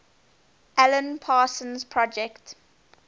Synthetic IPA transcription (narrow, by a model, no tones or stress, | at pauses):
ʔɛlə̃npʰaːsə̃nzpʰɹɔd͡ʒɛkt